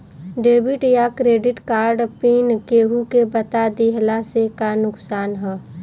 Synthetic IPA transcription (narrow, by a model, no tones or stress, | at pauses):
ɖeːbɪʈjakɾeːɖɪʈkaːɾɖpiːnkeːɦukebət̪ad̪iɦlasekanʊksaːnɦɛː